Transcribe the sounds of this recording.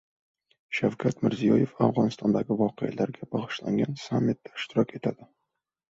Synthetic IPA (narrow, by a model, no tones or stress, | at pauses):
ʃawkʲʰat̪mɪɾzijɒje̞fafʁɒnɪst̪ʰɒnd̪aɡʲɪvɒqʰejalaɾɡʲab̥ɒʁɨʃla̰ŋɡʲansamːɪt̪̚ːḁɪ̥ʃt̪ɪɾɒkʲe̞t̪ʰad̪̥ɪ